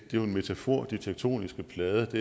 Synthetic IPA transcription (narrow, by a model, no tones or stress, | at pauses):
d̥e̝joe̝nme̝t͡sʰæfo̝̰ɐ̰d̥it͡sʰeɡ̥̚t͡sʰo̝̰ːnisɡ̥əpʰlɛːðˠəd̥e̝